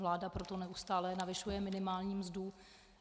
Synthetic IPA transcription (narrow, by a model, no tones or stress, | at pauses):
vlaːdapɾot̪o̞nɛʔust̪aːlɛnavɪʃujɛmɪnɪmaːlɲiːmzdu